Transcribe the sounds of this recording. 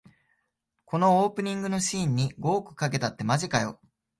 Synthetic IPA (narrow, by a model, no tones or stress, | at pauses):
ko̞no̞oːpɯ̟ɲ̟ĩŋɡɯ̟no̞ɕĩːɲ̟ːiɡo̞ːkɯ̟̥kake̞t̪at̪ːe̞maʑikajo̞̰